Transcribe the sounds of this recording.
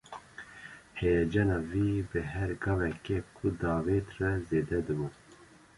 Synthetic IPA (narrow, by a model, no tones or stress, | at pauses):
hɛjɛd͡ʒɑːnɑvibɨɦɛɾɡɑːvɛkekʰud̪ɑːveːt̪rɛzeːd̪ɛd̪ɨbu